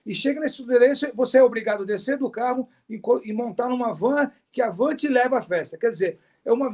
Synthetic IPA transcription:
ɪʃeɡɐnesud̪elẽsʊvoseɛobɾiɡad̪ʊd̪eseɾd̪ʊkaɦʊ | ɪ̃kõɪmõnt̪aɾnũmɐvɐ̃ɐ | kɪavɐ̃nt͡ʃɪɪlɛvɐafɛst̪ɐkɛɾd͡ʒɪzeɾ | ɛũmɐ

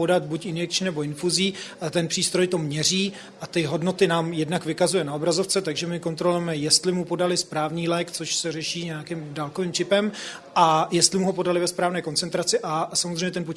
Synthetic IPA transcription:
odat̪̚bucɪnjɛk̚t͡ʃɪnɛbo̞ɪnfuziːt̪ɛnpr̥iːst̪ɾo̞jt̪omɲɛr̝iː | ʔat̪ɪɦo̞dno̞t̪ɪnaːmjɛdnakvɪkazujɛnao̞bɾazo̞ft͡sɛt̪aɡʒɛmɪko̞nt̪ɾolʊjɛmɛjɛst̪lɪmupo̞dalɪspɾaːvɲiːlɛːkt͡soʃsɛrɛʃiːɲɛakɪmdalkoviːmt͡ʃɪpɛm | ʔajɛst̪lɪmuɦopo̞dalɪvɛspɾaːvnɛːko̞nt͡sɛnt̪ɾat͡sɪʔasamozrejɲɛt̪ɛnpo

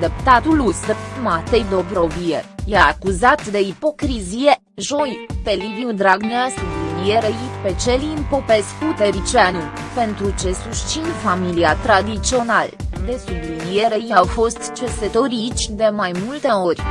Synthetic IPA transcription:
d̪ept̪at̪ulust̪rmat̪ejd̪o̞bɾo̞viejaːkuzat̪d̪e̞ipo̞kɾizije̞ | ʒo̞jpeliviud̪ɾaɡneasublinieɾejipe̞t͡ʃeliɨmpo̞pe̞skut̪eɾit͡ʃianul | pe̞nt̪ɾut͡ʃe̞suʃt͡ʃinfamiliat̪ɾad̪it͡ʃio̞nald̪e̞sublinieɾejiawfo̞st̪t͡ʃeset̪oɾʲit͡ʃʲd̪e̞majmult̪e̞o̞rʲ

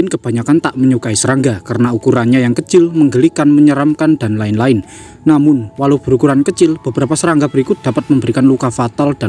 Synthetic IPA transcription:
ɪnkəb̥a̤ɲakant̪aʔməɲukaisəɾaŋɡakarənaukuɾanɲajaŋkət͡ʃɪlməŋɡəlikanməɲəɾamkand̥̪a̤nlaɪnlaɪnː | amʊnwalawb̥əɾukuɾankət͡ʃɪlb̥əb̥əɾapasəɾaŋɡab̥əɾikʊt̪̚d̥a̤pat̪̚məmbəɾikanlukafat̪ald̥a

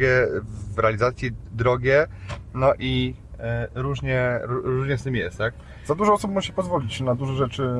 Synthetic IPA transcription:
ɛvɾɛalʲizat̪sʲid̪ɾɔɡʲɛnɔʔi | ɾuʐɲɛɾuɾuuʐɲɛst̪ɘmʲjɛst̪t̪ak̚ | z̥ad̪uʐɔɔsɔpmuʐɛɕɛpɔzvɔlʲit͡ɕnad̪uʐɛʐɛt͡ʂɘ

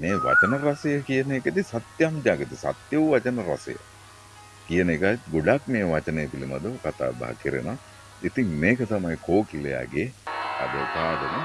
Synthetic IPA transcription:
meːʋa̰t͡ʃənəɾasəjəkijənekət̪isat̪jaŋd͡ʒ̪aːkət̪isa̰t̪jəʋʋat͡ʃənəɾa̰sə̰jə̰ | kijənekait̪ɡoɖak̚meːʋat͡ʃənejəpilima̰d̪əkat̪a̰ːba̰ɦə̰kiɾḛna | it̪iŋmeːkət̪amajkoːkileja̰ɡea̰d̪əpaːd̪əmə

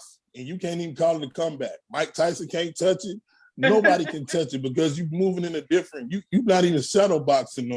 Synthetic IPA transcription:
s | ɨ̃njɨkʰæ̃ntivn̩kʰɔlˠɪ̃tɨkʰʌ̃mbæk̚maɪk̚tʰaɪsɨkʰæ̃ɪ̃ntʰʌt͡ʃɪt̚ | noʊbɑɾikʰɨ̃ntʰʌt͡ʃɨt̚b̥ɨkʌzjɨmuvɪ̃ŋɨ̃nɨdɪfɹɨ̃njɨjʉvnəɾivɨ̃nsɛɾl̩ˠbɑksɨ̃n

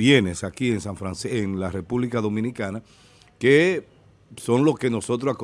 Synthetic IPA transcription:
je̞ne̞sakie̞ŋsaɱfɾanseeŋlare̞puβlikaðo̞mĩnikana | ke | so̞ŋlo̞ske̞no̞so̞t̪ɾosak

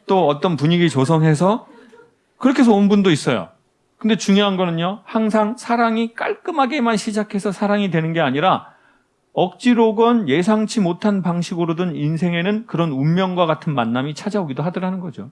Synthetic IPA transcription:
t͈oʌt͈ʌnpuɲiɡit͡ɕosʰʌŋɦe̞sʰʌ | kɯɾʌkʰe̞sʰʌonbundois͈ʌjo̰ | kɯnde̞t͡ɕuŋjoɦanɡʌnɯɲjohaŋsʰaŋsʰaɾaŋik͈aɭk͈ɯmɦaɡe̞manɕʰid͡ʑakʰe̞sʰʌsʰaɾaŋidwe̞nɯnɡe̞aɲiɾa | ʌk̚t͡ɕ͈iɾoɡʌnje̞s̬ʰaŋt͡ɕʰimotʰanpaŋɕʰiɡɯɾodɯninsʰe̞ŋe̞nɯnkɯɾʌnummjʌŋɡwaɣatʰɯnmanːamit͡ɕʰad͡ʑaoɡidoɦadɯɾɭɦanɯnɡʌd͡ʑo

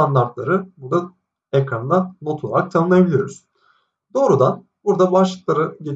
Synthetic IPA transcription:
and̪aɾt̪lˠaɾɯbuɾd̪a | ekɾanɯnano̞t̪ʰlˠaɾak̚t̪ʰanɯnajabilʲijo̞ɾuz̥ | d̪o̞ːɾud̪an | buɾd̪abaʃlˠɯklˠaɾɯɟe

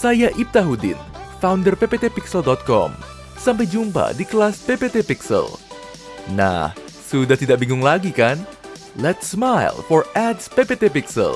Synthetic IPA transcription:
sajaʔip̚t̪aɦudɪ̰nfawndərpepet̪epiksəldɔt̪̚kɔ̰m | sampajd͡ʒumpa̰dikəlaspepet̪epiksə̰l | na̰h | sudaht̪idaʔbiŋɡʊŋlaɡikan | lɛt̪smajlfɔrʔɛdspepet̪epiksə̰l

